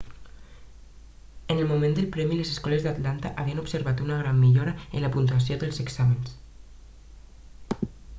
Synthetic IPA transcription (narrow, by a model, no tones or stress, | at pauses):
ənəlmumẽnd̪əlˠpɾɛmilezeskɔləzðat̪lant̪aʔaβiənupsəɾβat̪unaɣ̞ɾamːiʎoɾɐənlapunt̪uas̬ioðəlˠzeksaməns